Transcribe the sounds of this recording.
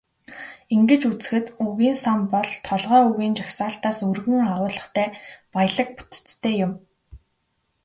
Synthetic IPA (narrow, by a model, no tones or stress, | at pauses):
iŋɡɘ̆t͡ɕut͡sɘ̥̆xɘ̆t̪uɣiːnsampɔɮt̪ʰɔɮʁœːuɣiːnt͡ɕaxsaːɬt̪aːsɵrɣɘ̆ŋaʁʊːɮə̆χt̪ʰæːpajɮə̆k̚pu̥t̪̆t͡st̪ʰːeːjʊm